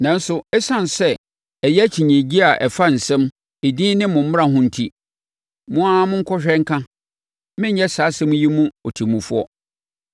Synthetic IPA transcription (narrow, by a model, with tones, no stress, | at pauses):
nã˨n˦sʊ˨ɛ˦sã˦nsɛ˦˨ | ɛ˨jɛ˦t͡ɕʰĩ˨ɲɛ̃˨d͡ʑi˦a˨ʔɛ˨fa˦n̩˨sɛ̃˦m | e˨dĩː˦nɪ̃˦mʊ̃˨m̩˦m˦ã˨ɦʊ̃˦n̩˨tʰi˦ | mʊ̃˦a˦mʊ̃˦ŋ̩˦kʰɔ˦ɕᶣɛ˦ŋ̩˦kʰã˦ | mɪ̃˦ɲ˦ɲɛ˦saː˨˦sɛ̃˦mũ˦ji˦mũ˦ɔ˨tʰi˨mũ˨fu˦ɔ˦